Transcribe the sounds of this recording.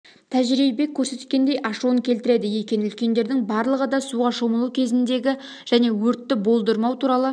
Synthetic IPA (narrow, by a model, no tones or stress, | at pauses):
t̪ʰæʒɾijebe̞kʲʰːɵɾse̞t̪t̪kʲe̞nd̪e̞jʔɑʃuəŋkʲʰe̞lt̪ɪɾe̞d̪ɪje̞kʲe̞nɪʏlkʲe̞nd̪e̞ɾd̪ɪŋbɑɾlˠəʁəd̪ɑsuʁɑʃo̞məlˠukʲʰe̞zɪnd̪e̞ɡʲɪ | ʒ̥æne̞wɵɾt̪ːɪbo̞lˠd̪əɾmɑwt̪ʰuɾɑlˠə